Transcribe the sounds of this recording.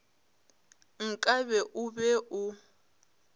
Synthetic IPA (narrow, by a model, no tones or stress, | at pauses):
ŋ̩kʼaβɛʔʊbɛʔʊ